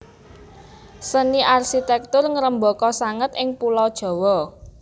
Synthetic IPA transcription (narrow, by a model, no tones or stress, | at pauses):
səniʔarʃit̪ɛk̚t̪ʊrŋəɾəmbɔkɔsaŋət̪ɪŋpulɔd̥ʒ̥ɔ̤wɔ